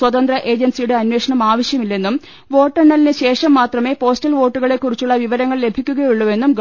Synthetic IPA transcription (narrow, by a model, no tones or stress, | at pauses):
swɐt̪ɐnd̪rɐʔe̞ːd͡ʑɐnsijuɽeɐnwe̞ːʂɐɳɐmaːʋɐɕjɐmilːe̞nːum | ʋo̞ːʈːɐɳːɐlinɨɕe̞ːʂɐmːaːt̪rɐme̞ːpo̞ːstɐlʋo̞ːʈːuɣɐɭe̞kːurit͡ɕːuɭːɐʋiʋɐɾɐŋːɐɭle̞bʱikʲːuɣɐjuɭːuʋe̞nːumɡ